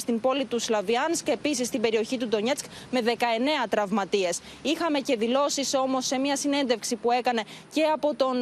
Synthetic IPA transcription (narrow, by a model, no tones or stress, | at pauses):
st̪impo̞lit̪uslɐviɐnske̞pis̬ist̪ibe̞ɾio̞çit̪ud̪o̞ɲe̞t͡sk | me̞ðe̞kɐe̞ne̞ɐt̪ɾɐvmɐt̪ie̞s | ixɐme̞ce̞ðilo̞siso̞mo̞sːe̞miɐsine̞nd̪e̞fksipue̞kɐne̞ce̞ɐpo̞t̪o̞n